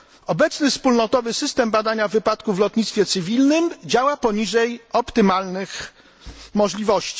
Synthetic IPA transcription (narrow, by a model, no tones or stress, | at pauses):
ɔbɛt̪snɘfspulnɔt̪ɔvɘsɘst̪ɛmbad̪aɲavːɘpat̪kuvlɔt̪ɲit̪st̪fʲjɛt̪sɘvʲilnɘmd͡ʑawapɔɲiʐɛjɔpt̪ɘmalnɘx | mɔʐlʲivɔɕt͡ɕi̥